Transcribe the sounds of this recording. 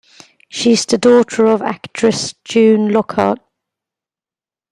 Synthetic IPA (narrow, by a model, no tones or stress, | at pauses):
ʃizðədɔˑtʰəɹəva̰kt͡ʃʰɹ̥əsd͡ʒʉ̃ːnlɔkʰɑ̰ˑt̚